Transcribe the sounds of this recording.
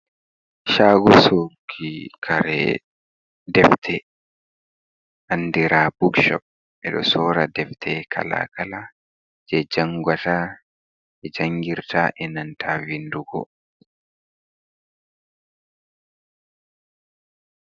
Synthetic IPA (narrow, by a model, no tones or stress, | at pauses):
ʃaːɡɔsokʰikʰaɾɛ̰ | dɛftʰɛ | ʔandiɾabukʃɔ̰p̚ | ɛɗɔ̰sɔːɾadɛftʰɛkʰa̰la̰kala | d͡ʒɛd͡ʒaŋɡwata | ɛd͡ʒaŋɡiɾtaʔɛnantʰavinduɡɔ̰